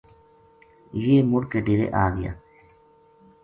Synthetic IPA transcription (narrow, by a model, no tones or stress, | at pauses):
jeːmʊɽkeɖɪɾḛʔaːɡɪja̰ː